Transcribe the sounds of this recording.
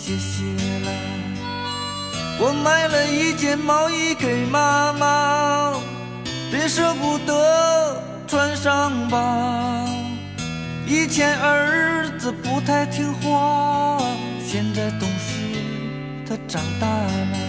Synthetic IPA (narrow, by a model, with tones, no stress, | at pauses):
ɕɛ˧˥ɕi˧˩la˧ɪ | wɔ˨˩ma˥˩ɪlə˨i˥˩t͡ɕjɛ˥˩nmɑ˧˥ʊi˥ke˨˩ɪma˥ma˧ | pe˧˥nʂɤ˥pu˨˩t̪ɤ˧˥ | ʈ͡ʂʰwa˥nʂɑ˥˧ŋba˧ | i˥t͡ɕʰjɛ˧˥nə˧˥ɻ̩˥˩d͡zɹ̩˧˩pu˧˥t̪ʰa˥˧ɪt̪ʰi˥ŋxwa˥˧ | ɕjɛ˥˧nt͡sa˥˩ɪt̪ʊ˥ŋɕi˧ | t̪ʰa˥ʈ͡ʂɑ˨˩ŋt̪a˥˩lə˧